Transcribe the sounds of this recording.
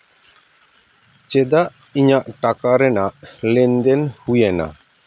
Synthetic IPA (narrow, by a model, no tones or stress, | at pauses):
t͡ʃɛd̪aʔ | iɲaʔʈakaɾɛnaʔlɛnd̪ɛnhujɛna̰